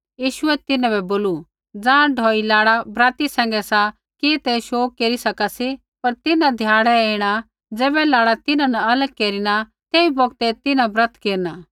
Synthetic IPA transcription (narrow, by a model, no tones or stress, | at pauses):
jiːʃʊɛt̪ɪnãbɛboːlu | d͡zãːɖʱɔːilaːɽabɾaːt̪isɛ̃ːŋɡɛsa | kit̪ɛʃoːkkːeːɾisɐkasi | pɐɾt̪ɪnãd̪ʱjaːɽɛeːɽ̃a | d͡zɛːbɛlaːɽat̪ɪnãnɐɐləɡ̚keːɾiɽ̃at̪eːibɔɡt̪ɛt̪ɪnãbɾɐt̪ʰkeːɾnaː